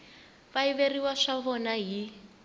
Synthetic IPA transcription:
βaiβeriwaʂaβɔnaɦi

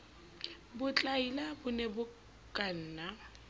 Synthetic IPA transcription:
bʊt͡ɬʼailabʊnɛbʊ | kʼan̩ːna

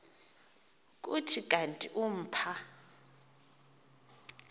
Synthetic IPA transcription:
k̬ʼutʰikʼantʼiʔum̩ːpʰa

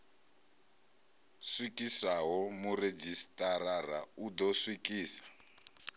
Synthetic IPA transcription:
swikisaɦɔmured͡ʒistʼarara̰ud̪ɔswikʼiːsḁ

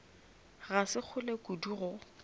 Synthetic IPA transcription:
ɣasɪk͡xʰʊlekʼuduɣʊ

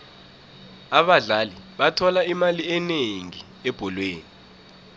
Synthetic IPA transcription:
aɓaɮaliɓatʰɔlaimaliɛneŋi | ɛb̥ʱɔlweːni

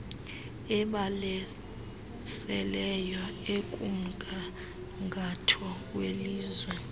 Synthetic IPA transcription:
ɛɓalɛ | sɛlɛjaekʼum̩kʼa | ŋɡʱatʰɔk̬ʼweliːzwɛ

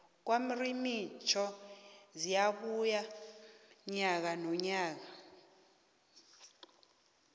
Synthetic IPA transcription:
k̬wamirimit͡ʃʰɔzijaɓuja | ɲak̬anɔɲaːk̬a

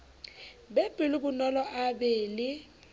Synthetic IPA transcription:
beb̥ʱɪlubʊnɔlɔʔabeːlɪ

